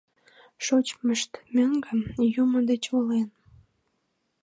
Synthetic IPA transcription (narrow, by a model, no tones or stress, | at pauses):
ʃot͡ɕməʃt̪møŋɡəjumod̪et͡ɕolen